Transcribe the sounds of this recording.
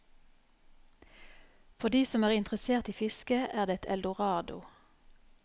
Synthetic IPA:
fɔd̪iːsɔmæːʁɪnt̪ʁəseːʁt̪iːfɪskəæːʁd̪eːɛt̪ʰɛ̰ld̪ʊʁɑːd̪ʊ̰

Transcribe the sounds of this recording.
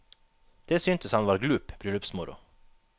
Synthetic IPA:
d̪̥eːsyːnt̪əshɑnʋɑːɾɡlʉːpb̥ɾyːlʉpsmʊɾʊ̰

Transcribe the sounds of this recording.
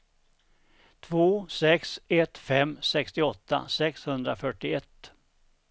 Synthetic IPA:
t̪ʰvoːsɛksɛt̪fɛmːsɛkst̪ɪɔt̪ːa̰sɛkshɵnd̪ɾafœʈːɪɛt̪ː

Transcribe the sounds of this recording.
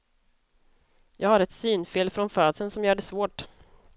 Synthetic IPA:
jɑːɡhaɾɛt̪syːnfɪlfɾɔnfœːd̪sənsɔmjœːɖɛsvoːʈ

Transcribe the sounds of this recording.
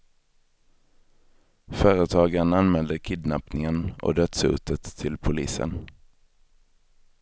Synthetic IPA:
fœːɾət̪ʰɑːɡananmɛld̪əkʰɪd̪napnɪŋənʔɔ̰d̪œt̪sʉ̰ːt̪ət̪ʰːɪlpʰʊlḭːsə̰n

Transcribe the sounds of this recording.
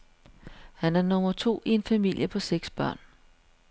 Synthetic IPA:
hænæɐnɔ̽mɐt͡sʰo̝̰ːie̝nfæmil̰jəpʰɒ̽seɡ̥sb̥ɶɐ̰n

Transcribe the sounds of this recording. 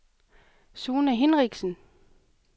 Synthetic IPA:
soːnæɦe̝nʁɛɡ̥sən̩

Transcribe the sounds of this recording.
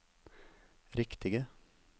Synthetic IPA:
ɾɪkt̪ɪɡə

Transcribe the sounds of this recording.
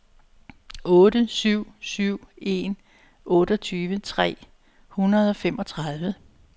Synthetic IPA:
ɔ̽ːɾəsyʊ̰syʊ̰e̝n | ʔɔ̽ːɾ̥ɒ̽t͡sʰyːʋət͡sʰʁɛ̰ː | hunɐð̞ˠɒ̽femɒ̽t͡sʰʁɑðˠʋə

